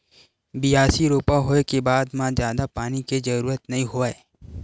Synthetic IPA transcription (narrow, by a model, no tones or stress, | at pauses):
bɪjaːsiɾoːpaɦoːekebaːd̪mãzjaːd̪apaːniked͡ʒɐɾuːɾət̪nɐɦĩɦoaːe